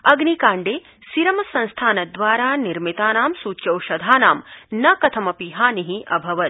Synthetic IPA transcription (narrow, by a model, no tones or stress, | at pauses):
ɐɡnikaːɳɖeː | siɾɐmɐsɐ̃nst̪ʰaːnɐd̪ʋaːɾaːniɾmit̪aːnaːmsuːt͡ʃɐwʃɐd̪ʱaːnaːmnɐkɐt̪ʰɐmɐpiɦaːniɦiʔɐ̰bʱɐʋɐt̪̚